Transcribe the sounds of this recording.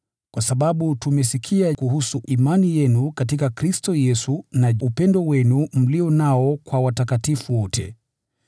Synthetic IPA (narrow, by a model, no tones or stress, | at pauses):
kwasaɓaɓutumɛsikʰiakuhusuʔimanijɛnukatikakɾistɔjɛsunaupɛndɔwɛnum̩liɔnaɔkwawatakatifuwɔtʰɛ̰